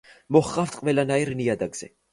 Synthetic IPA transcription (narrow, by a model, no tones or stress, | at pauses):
mɔχqʼaft̪ʰʼqʼvɛlanaiɾniad̪aɡz̥ɛ̰